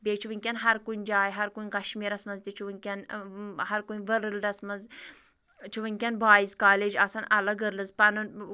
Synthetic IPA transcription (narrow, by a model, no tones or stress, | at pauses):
beːt͡ʃʰuʋɨŋʲkʲɐnɦɐɾkund͡ʒaːjɦɐɾkunʲkɐʃmiːɾɐsmɐzd̪it͡ʃʰuʋɨŋʲkʲɐnhɐɾkunʋəɾɨldɐsmɐz | t͡ʃʰuʋɨŋʲkʲɐnbaːjizkaːled͡ʒɐsɐnɐlɐɡəɾlɨzpɐnɨn